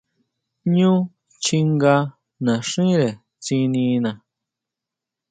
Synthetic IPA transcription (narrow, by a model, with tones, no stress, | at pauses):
ɲũ˦ | t͡ʃi˧ŋɡa˧ | nã˨ʂĩ˦ɾe˨ | t͡sĩ˧nĩ˧nã˨